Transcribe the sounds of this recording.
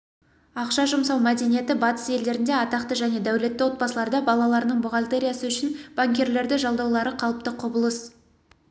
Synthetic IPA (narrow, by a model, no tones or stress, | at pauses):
ɑqʃɑʒʊmsɑwmæd̪e̞nije̞t̪ɪbɑt̪ə̥se̞ld̪e̞ɾɪnd̪e̞ɑt̪ɑqt̪əʒæne̞d̪æwle̞t̪ːɪwo̞t̪̚bɑsəlˠɑɾd̪ɑbɑlˠɑlˠɑɾənəɴmʊʁɑlʲt̪e̞ɾʲijasəʏʃɪnb̥aŋkʲe̞ɾle̞ɾd̪ɪʒɑlˠd̪ɑwlˠɑɾəqʰɑlˠəp̚t̪əqʰʊbəlˠəs